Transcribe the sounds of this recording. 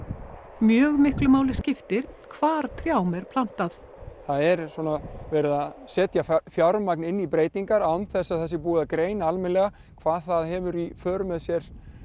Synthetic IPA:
mjœːɣmɪhklʏmaːwlɪscɪft̪ɪɾ̥kʰvaːɾt̪ʰɾjawmɛɾ̥pʰlan̥t̪aθ | θaðɛɾsɔːnavɛːɾɪðaðsɛːt̪jafjaɾmaknɪnːipɾeːjt̪iŋkaɾanθɛsːaðθɛsːɪpuːakɾeːjnalmɪnlɛɣa | kʰvaːðθaðhɛːvʏɾifœːɾʏmɛðsjɛɾ̥

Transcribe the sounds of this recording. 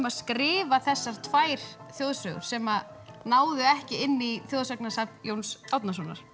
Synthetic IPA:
maðskɾɪːvaθɛsːaɾ̥t̪ʰvaːjɾ̥θjoːðsœɣʏ̰ɾ̥sɛma | naːwðʏɛhcɪɪnːiθjowðsœknasapjoːwnsawt̪nas̬ɔna̰ɾ̥

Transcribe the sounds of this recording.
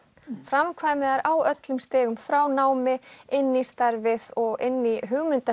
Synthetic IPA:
fɾamkʰvaːjmɪðaɾawœt̪lʏmst̪ɛːɣʏmfɾaːwnaːwmɪɪnːist̪aɾvɪðɔɣɪnːiɦʏɣmʏnt̪a

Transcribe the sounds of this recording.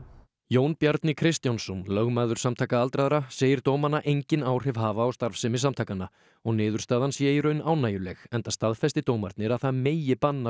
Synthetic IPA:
joːwnpjaɾt̪nɪkʰɾɪst̪jansɔnlœɣmaːðʏɾsamt̪ʰaːkaalt̪ɾaðɾaseːjɪɾ̥t̪owmanaʔejɲcɪnaːwr̥ɛv̥ɦaːvaːwst̪aɾfsɛmɪsamt̪ʰaːjkanːa | ɔɣnɪːðʏɾ̥st̪aːðansjɛiɾœɥnaːwnaːjʏlɛɣɛnt̪ast̪aðfɛst̪ɪt̪owmaɾt̪nɪɾaðθaðmeːjɪpanːa

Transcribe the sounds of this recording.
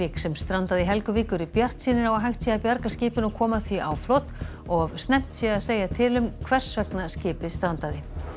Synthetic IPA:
ɪːksɛmst̪ɾant̪aðɪɦɛlkʏvɪːkʏɾɪpjar̥t̪siːnɪɾawaɦajht̪sjɛapjaɾkascɪːpɪnɔkʰɔːmaθviʔa̰wflowt̪ | ɔɣst̪nɛm̥t̪sjɛɣaðseːjat̪ʰɪlʏmkʰvɛr̥svɛknascɪːpɪðst̪ɾant̪aðɪ

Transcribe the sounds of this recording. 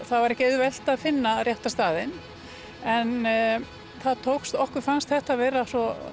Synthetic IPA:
θaðvaɾɛhcɪeɥðʏvɛl̥t̪aðfɪnːarjɛht̪ast̪aːðɪn | ɛn | θaðt̪ʰowkst̪ɔhkʏɾ̥fanst̪θɛht̪avɛːɾasɔ

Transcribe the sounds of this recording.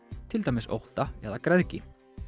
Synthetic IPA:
t̪ʰɪlt̪ajmɪso̰wht̪aɛðakɾɛðcɪ

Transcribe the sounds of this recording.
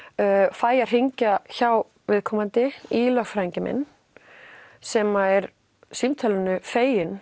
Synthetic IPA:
œːfaːjar̥iɲcaçaw | vɪðkʰɔːmant̪ɪilœxfɾajɲcɪmɛ̰nː | sɛmaɛɾ | simt̪ʰœlɪnʏfeːjɪn

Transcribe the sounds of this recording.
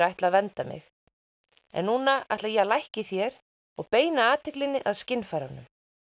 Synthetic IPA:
ɾajht̪laðvɛnt̪amɪ̰x | ɛ̰nːuːnaa̰jht̪lajɛɣlajhcɪθjɛɾ̥ | ɔɣpeːjnaaːt̪ʰɪklɪnːɪʔaðscɪnːfajɾanːʏm

